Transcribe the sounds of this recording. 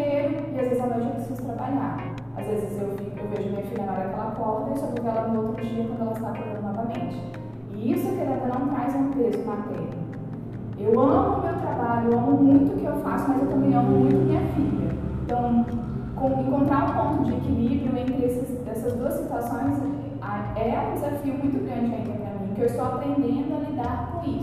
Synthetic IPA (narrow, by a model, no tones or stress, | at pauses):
eɾʊ | ɪazvezɪzawmãzɐ̃pɾesizʊt̪ɾabaʎa̰ɾ | a̰zvezɪzewfiewveʒʊɐmĩɲɐfilɐnɔɾɐɐkɛlɐpɔt̪ɐd̪eʃɐpovɛlɐnʊ̃owt̪ɾʊmĩʃĩnkwɐ̃d̪ʊɛlɐɪst̪apaɡɐ̃nd̪ʊnɔvɐmẽnt͡ʃɪ̥ | ɪisʊɛked̪ad̪ɐnɐ̃w̃t̪ɾajzũpezʊat̪ɛ̰ɾɐ | ewɐ̃mmʊmewt̪ɾabaʎʊewɐ̃mʊmũj̃t̪ʊkɪewfa̰sʊmɐzewt̪ɐ̃mbẽj̃ɐ̃mʊmũj̃t̪ʊmĩɲɐfiʎɐẽt̪ɐ̃w̃kõẽŋkõnt̪ɾaɾʊ̃põnt̪ʊd͡ʒɪkɪlipɾɐ̃mẽt̪ɪɾesɪzd̪ɛsɐzd̪uɐsit̪uasõj̃zki | a | ɛũd̪ezafiʊmũj̃t̪ʊɡɾɐ̃nd͡ʒɪɐĩk̪ɐpɾɐmĩɲkɪewɪst̪oapɾẽnd̪ẽnd̪ʊɐlid̪aɾkõisʊ